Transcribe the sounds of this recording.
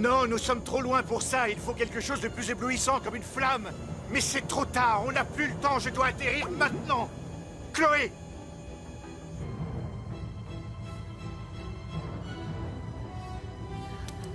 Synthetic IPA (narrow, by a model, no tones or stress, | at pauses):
nɔ̃nusɔmt̪χolwɛ̃puʁsailfokʲɛlkəʃozd̪əplyzebluisɑ̃kɔmynflamː | ɛsɛt̪χot̪aʁɔ̃naplylət̪ɑ̃ʒəd̪waːt̪eʁiʁmɛ̃t̪nɑ̃ | kloe